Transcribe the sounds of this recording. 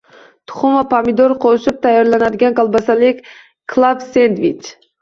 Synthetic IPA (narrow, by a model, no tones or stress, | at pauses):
t̪ʰʊ̥χʊmapʰamɪd̪oɾqʰoʃɪp̚t̪ʰajːaɾlanad̪ɪɡʲankalˠbɑsalɪkʲ | kʰlˠabsend̪vit͡ʃ